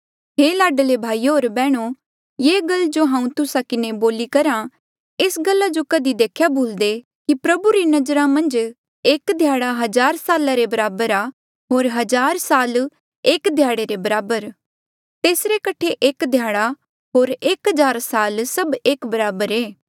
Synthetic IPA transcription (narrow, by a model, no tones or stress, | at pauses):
ɦeːlaːɖlebʱaːiɦoːɾbɛːɽ̃o | jeːɡɐld͡ʒoɦãːũt̪ʊsakɪneboːlikɐɾã | eːsɡɐlːad͡ʒokɐd̪id̪eːkʰjaboːld̪e | kipɾɐbuɾinɐd͡ʒɾamɐ̃nd͡ʒ | eːkd̪ʱjaːɽaɦɐzaːɾsaːlaɾebɐɾaːbəɾaː | ɦoːɾɦɐd͡ʒaːɾsaːl | eːkd̪ʱjaːɽeɾebɐɾaːbəɾ | t̪eːsɾekɐʈʰekʔeːkd̪ʱjaːɽ̃a | ɦoːɾeːkɦɐd͡ʒaːɾsaːlsɐbeːkbɐɾaːbəɾeː